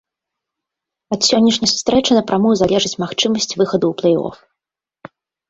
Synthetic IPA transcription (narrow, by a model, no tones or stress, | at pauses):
ɐt̪sʲɔnʲːɐʂnʲɐjsu̥st̪ɾɛt͡ʂɨnɐpɾamujzalʲɛʐɨt͡sʲmaxt͡ʂɨmɐsʲt͡sʲvɨxɐd̪uːplˠɛjɔ̰f